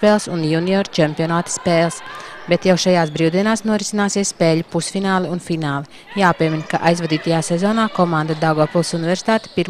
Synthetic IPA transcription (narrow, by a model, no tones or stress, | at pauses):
pɛːlˠsunjuniɔɾt͡ʃɛmpiɔnaːt̪i̥speːlˠsbet̪jawʃajaːsbɾiːwd̪iɛnaːsnuɔɾisinaːsiɛspeːʎupusfinaːlˠɛunfinaːlˠɛ | jaːpiɛminkaʔajzvad̪iːt̪ajaːsɛzoːnaːkɔmãnd̪ad̪awɡoːpulˠsunivɛɾsi̥t̪aːt̪e̥piɾ